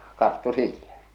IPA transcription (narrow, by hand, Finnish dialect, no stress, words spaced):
kɑrtːu silːæ